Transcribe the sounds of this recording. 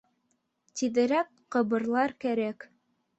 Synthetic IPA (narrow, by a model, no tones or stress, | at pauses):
t̪iðɘ̆ɾæk | qɤ̆βɤ̆ɾlˠɑɾkæɾæk